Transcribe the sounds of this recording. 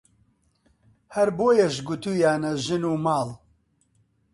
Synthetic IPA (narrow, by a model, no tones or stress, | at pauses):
hɐɾboːjɐʃɡʊt̪uːjaːnɐʒɨnuːmaːl